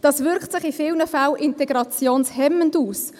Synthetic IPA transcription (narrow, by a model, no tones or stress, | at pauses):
d̥ɑːsvʏɾkχtsɪχifɪlnəfalʔɪntɛɡɾɑt͡sjoːnshɛmənduːs